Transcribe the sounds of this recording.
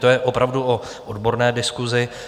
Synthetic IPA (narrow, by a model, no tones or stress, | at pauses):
t̪ojɛʔopɾavduo | ʔodbo̞ɾnɛːdɪskuzɪ